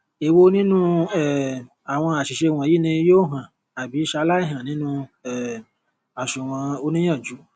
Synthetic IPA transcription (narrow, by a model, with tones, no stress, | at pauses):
e˨wo˧nĩ˦nũ˦ɛ˦˨ | a˨w̃ɔ̃˧a˨ʃi˨ʃe˧˨w̃ɔ̃˨ji˦nĩ˧joː˦ɦã˨ | a˨bi˨˦ʃa˧la˦i˦˨ɦã˨nĩ˦nũ˦ɛ˦˨ | a˨ʃu˨w̃ɔ̃˧o˧nĩ˦j̃ã˦˨d͡ʒu˨˦